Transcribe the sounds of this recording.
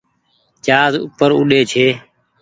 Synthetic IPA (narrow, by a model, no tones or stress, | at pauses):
t͡ʃaːzṵpəɾʊɗeːt͡ʃʰeː